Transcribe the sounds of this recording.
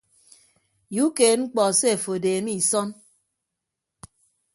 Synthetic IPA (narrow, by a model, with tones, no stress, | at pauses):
ju˨˦keː˨ŋ͡m̩˦k͡pɔ˨se˦e˨fo˨deː˨mi˦i˨sɔ˦n